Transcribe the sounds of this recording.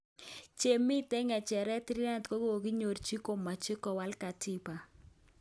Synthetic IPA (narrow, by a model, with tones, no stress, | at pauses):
t͡ʃe˨mi˦tɛ˦ŋɛ˨t͡ʃɛ˨ɾɛ˦tɪ˦ɾi˦na˦tko˦ko˦o˨ki˦ɲo˨ɾt͡ʃi˦ko˨ma˨t͡ʃɪ˦kɔ˨wa˦lka˨tɪ˦pa˨